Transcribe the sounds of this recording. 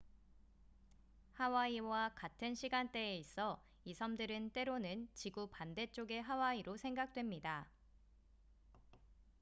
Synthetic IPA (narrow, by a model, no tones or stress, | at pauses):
hawaiwakatʰɯnɕʰiɡant͈e̞ːis͈ʌ | isʰʌmdɯɾɯnt͈e̞ɾonɯnt͡ɕiɡupande̞t͡ɕ͈oɡe̞ɦawaiɾosʰe̞ŋɡak̚t͈we̞mɲida